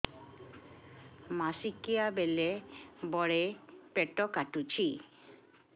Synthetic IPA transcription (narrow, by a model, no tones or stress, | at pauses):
masikiabelebɔɽepɛʈɔkaʈut͡ɕʰi